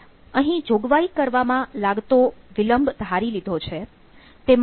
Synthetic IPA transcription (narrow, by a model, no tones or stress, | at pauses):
əɦĩd͡ʒoɡʋaikəɾʋamãlaɡt̪oʋiləmbʱd̪ʱaɾilid̪ʱot͡ʃʰe | t̪em